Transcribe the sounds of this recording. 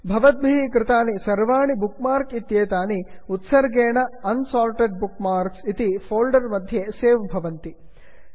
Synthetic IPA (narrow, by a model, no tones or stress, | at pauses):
bʱɐʋɐt̪̚bʱiɦikɾɪt̪aːnisɐɾʋaːɳibukmaːɾkit̪jeːt̪aːniut̪sɐɾɡeːɳɐɐnsaːlʈeɖ̚bukmaːɾksit̪ipʰoːlɖɐɾmɐd̪ʱjeseːʋbʱɐʋɐnt̪i